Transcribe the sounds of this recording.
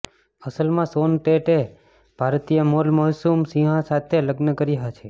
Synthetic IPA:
əsəlmãsonʈeʈe | b̥ʱaɾt̪ijəmolməɦsumsiɦãsat̪ʰeləɡnəkəɾiɦat͡ʃʰe

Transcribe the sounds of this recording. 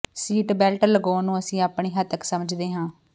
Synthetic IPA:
siːʈbɛːlʈəɾləɡoːnũːəsĩːaːpɳiːɦət̪əksəməd͡ʒd̪eːɦãː

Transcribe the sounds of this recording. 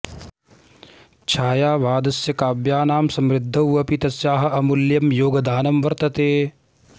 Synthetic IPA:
t͡ʃʰaːjaːʋaːd̪ɐsjɐkaːbjaːnaːmsɐmɾɪd̪ʱːɐwɐpit̪ɐsjaːɦɐ̆ɐmuljɐmjoːɡɐd̪aːnɐmʋɐɾt̪ɐt̪eː

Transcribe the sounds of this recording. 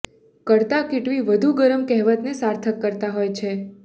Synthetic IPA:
kəɾt̪akɪʈʋiʋəd̪ʱuɡəɾəmkɛɦʋət̪nesaɾt̪ʰəkːəɾt̪aɦojt͡ʃʰe

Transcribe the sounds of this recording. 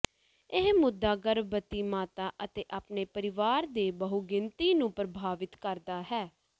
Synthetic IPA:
ɪɦmʊd̪ːaːɡəɾbət̪iːmaːt̪aːʔət̪eːʔaːpneːpəɾɪʋaːɾd̪eːbəɦuɡɪnt̪iːnũːpɾəbʱaːʋɪt̪kəɾd̪aːɦɛː

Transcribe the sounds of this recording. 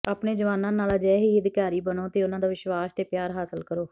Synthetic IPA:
aːpneːd͡ʒəʋaːnãːnaːlaːd͡ʒɛːɦiːəd̪ɪkaːɾiːbənoːt̪eːʊnãːd̪aːʋɪʃʋaːst̪eːpjaːɾɦaːsəlkəɾoː

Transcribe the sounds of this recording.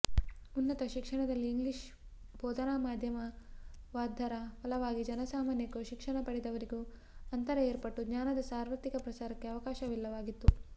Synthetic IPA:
unːɐt̪ɐʃikʂɐɳɐd̪ɐlːiːŋɡliʃ | bɔːd̪ɐnaːmaːd̪ʱjɐmɐʋaːd̪ʱːɐɾɐpɐlɐʋaːɡid͡ʒɐnɐsaːmaːnjɐkːuʃikʂɐɳɐpɐɽid̪ɐʋɐɾiɡu | ɐnt̪ɐɾɐeːɾpɐʈːuɡɲaːnɐd̪ɐsaːɾʋɐt̪ːikɐpɾɐsaːɾɐkːe̞ɐʋɐkaːʃɐʋilːɐʋaːɡit̪ːu

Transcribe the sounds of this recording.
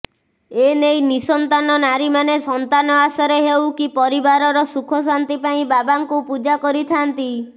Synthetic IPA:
enejnisɔnt̪anɔnaɾimanesɔnt̪anɔasɔɾeɦewkipɔɾibaɾɔɾɔsukʰɔs̬ant̪ipaĩbabaŋkupud͡ʒakɔɾit̪ʰant̪i

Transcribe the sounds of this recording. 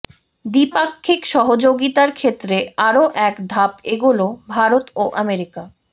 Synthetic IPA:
d̪ipakʰːikʃɔɦod͡ʑoɡit̪aɾkʰet̪ːɾeaɾoʔɛkd̪ʱapeɡulobʱaɾot̪oʔɛmeɾika

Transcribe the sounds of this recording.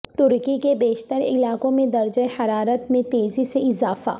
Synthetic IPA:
t̪ʊɾkikebeːʃt̪əɾɪ̰laːkõmẽd̪ɐɾd͡ʒəehɐɾaːɾət̪mẽt̪eːziseɪzaːfa̰ː

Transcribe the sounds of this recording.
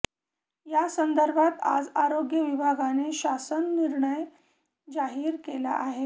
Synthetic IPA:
jasənd̪əɾbʱat̪a̰d͡zaɾoɡjəʋibʱaɡaneɕasənːiɾɳəj | d͡zaɦiːɾkela̰ʔaɦe

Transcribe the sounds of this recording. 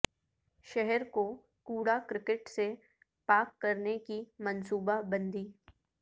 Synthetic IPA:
ʃɛɦɛɾko | kuːɽakɾɪkɪʈse | paːkːɐɾnekimɐnsuːbabɐ̃nd̪iː

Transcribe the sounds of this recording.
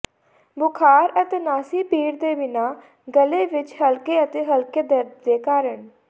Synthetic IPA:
bʊkʰaːɾət̪eːnaːsiːpiːɾd̪eːbɪnaː | ɡəleːʋɪt͡ʃhəlkeːət̪eːɦəlkeːd̪əɾd̪d̪eːkaːɾəɳ

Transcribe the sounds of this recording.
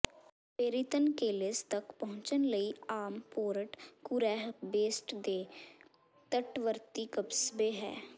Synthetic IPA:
peːɾit̪ənkeːlest̪ɐkpɐɦʊ̃t͡ʃənlɐiaːmpoːɾəʈkʊɾɛːɦbeːsʈd̪eː | t̪əʈʋəɾt̪ikəbsbeɦɛ̰ː

